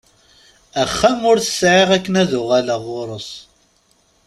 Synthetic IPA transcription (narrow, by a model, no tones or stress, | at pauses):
æχːæmʊɾθə̥sʕiʁækːənæðʊʁælaʁoɾˤəsˤ